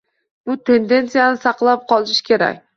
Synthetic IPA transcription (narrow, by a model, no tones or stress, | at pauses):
bʊt̪ʰe̞nd̪e̞nt̪sijanɪsɑqlˠap̚qʰɒlˠɪʃkʲʰe̞ɾa̰kʲ